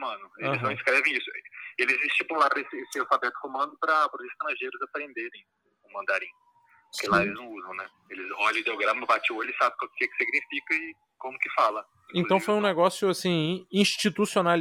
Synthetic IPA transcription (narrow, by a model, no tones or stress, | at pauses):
mɐ̃nʊel̃ɪznɐ̃w̃ĩskɾɛvẽj̃isʊelɪzist͡ʃipulaɾesɪesɪawfabɛt̪ʊ̥komɐ̃nd̪ʊpɾɐapɾʊzɪst̪ɐɾɐ̃ʒejɾʊzapɾẽnd̪eɾẽj̃ | kõmɐ̃nd̪aɾẽj̃ | pʊkelaelɪznɐ̃w̃uzɐ̃w̃nɛ | elɪzɔʎɐ̃ʊd̪ewɡɾɐ̃mɐbat͡ʃioelɪsabẽkɐ̃kɛkɪ̥siɡnifikɐɪ | kõmʊkɪfalɐ | ẽt̪ɐ̃w̃fojũnɛɡɔsjʊasĩĩʃt͡ʃit̪usional